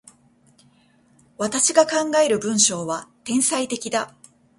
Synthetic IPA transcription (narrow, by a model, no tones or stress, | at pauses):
βat̪aɕiɡakãŋɡaeɾɯ̟bɯ̟̃ɰ̃ɕo̞ːβat̪ẽ̞ɰ̃sait̪e̞kʲid̪a